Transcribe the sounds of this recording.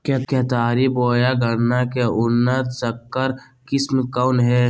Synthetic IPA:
keket̪aːɾiboːjaɡʱəɽnakeʊnːət̪səkːəɾ | kɪsmkanɦɛː

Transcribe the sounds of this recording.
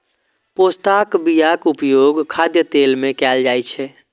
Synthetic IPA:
post̪akbijakupjoɡkʰad̪jət̪elmẽkɛld͡ʒajt͡ʃʰɛ

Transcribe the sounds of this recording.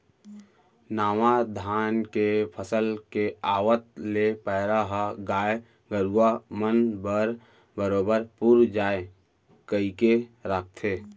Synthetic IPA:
naːʋad̪ʱaːnkepʰəsəlkeaːwət̪̚lepəɦɾaɦəɡaːe | ɡəɾuamənbəɾ | bəɾoːbəɾpuɾd͡ʒaːe | kəikeɾaːk̚ʰt̪ʰeː

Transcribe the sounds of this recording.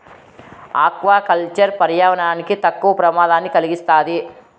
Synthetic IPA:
aːkʋaːkɐlt͡ʃɐɾpɐɾjaːʋɐnaːnikit̪ɐkːuʋɐpɾɐmaːd̪aːnːikɐliɡist̪aːd̪i

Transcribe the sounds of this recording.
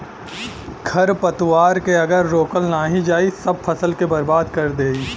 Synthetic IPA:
ɡʱɐɾpɐt̪waːɾkeɐɡəɾːoːkəlnaːɦid͡ʒaːisɐb̚fʰɐsəlkebɐɾbaːd̪kɐɾd̪eːi

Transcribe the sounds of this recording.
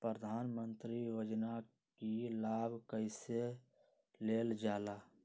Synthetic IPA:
pɾəd̪ʱaːnmə̃nt̪ɾijoːd͡ʒna | kilaːbʱkəɪse | leːld͡ʒaːlaː

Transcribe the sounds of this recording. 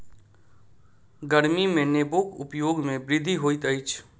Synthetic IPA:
ɡəɾmimẽneːboːkʊ̰pjoːɡmẽbɾɪd̪ʱːiɦoːit̪əit͡ʃʰ

